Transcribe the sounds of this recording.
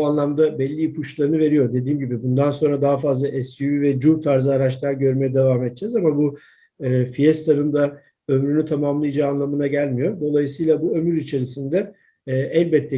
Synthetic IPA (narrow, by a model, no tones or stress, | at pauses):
uanlˠamd̪abɛlʲːipʰut͡ʃlˠaɾɯnɯve̞ɾijo̞ɾd̪e̞d̪iːmɟibibund̪anso̞nɾad̪aɦafazlˠaʔɛsyvivɛd͡ʒuɾt̪ʰaɾzɯaɾat͡ʃlˠaɾɟø̞ɾmejɛd̪evaːmɛt̪̚d͡ʒɛzamabuː | fijɛst̪ʰaɾɯnd̪a | ø̞mɾynyt̪ʰamamlˠɯjd͡ʒaːnlˠamɯnaɟælʲmijo̞ɾd̪o̞lˠajɯsɯjlˠabuø̞myɾit͡ʃʰe̞ɾisind̪ɛː | ɛlʲbɛt̪ʰːɛ